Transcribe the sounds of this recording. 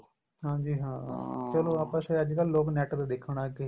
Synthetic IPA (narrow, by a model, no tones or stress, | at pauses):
ɦãːd͡ʒiːɦãːt͡ʃəloːaːpəseːəd͡ʒkaːlːoːknɛːʈd̪ad̪ekʰːɽ̃aːkɪ